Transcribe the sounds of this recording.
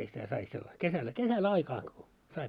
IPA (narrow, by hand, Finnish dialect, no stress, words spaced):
sitæ sɑi selːɑ kesælːæ kesæl ɑikɑː ko sɑi